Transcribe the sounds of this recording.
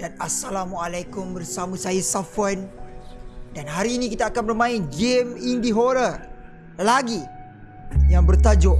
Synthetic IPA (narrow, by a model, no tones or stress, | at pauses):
d̥anasalamualajkʊmbərsamasajasafan | danɦaɾiːnikit̪aːkanməlmãind͡ʒemindiɦoɾər | laɡi | jaŋbərt̪ad͡ʒʊʔ